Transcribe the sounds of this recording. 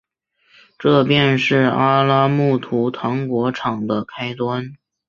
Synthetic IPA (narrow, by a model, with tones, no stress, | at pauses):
ʈ͡ʂɤ˥˧pjɛ˥˧nʂɻ̩˥˩a˥la˥mu˥˩t̪ʰu˧˥t̪ʰɑ˧˥ŋkwɔ˧˥ʈ͡ʂʰɑ˨˩ŋd̪ə˦kʰa˥ɪt̪wa˥n